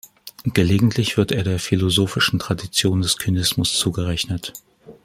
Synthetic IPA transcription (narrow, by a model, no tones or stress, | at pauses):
ɡ̥əleːɡŋ̩tʰlɪçv̥ɪɐteːɐɾeːɐfilozoːfɪʃn̩tʁ̥adit͡sjoːndɛskʰynɪsmʊst͡suːɡəʁɛçnət